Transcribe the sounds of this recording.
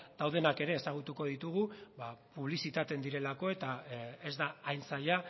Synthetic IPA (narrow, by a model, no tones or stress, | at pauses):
d̪̥awð̞e̞nake̞ɾe̞ːsaɣ̞ut̪uko̞ð̞it̪uɣ̞ubapuβlisit̪at̪e̞nd̪iɾe̞lako̞e̞t̪aezd̪aːjnsaʎa